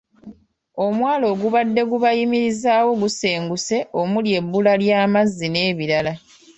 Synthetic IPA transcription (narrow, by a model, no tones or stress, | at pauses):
o̞mwaːlo̞ːɡuβadːe̞ɡuβajimiɾizaːwo̞ɡuseːŋɡuse̞ʔo̞mulje̞bːulaljaːmazːine̞ːβiɾala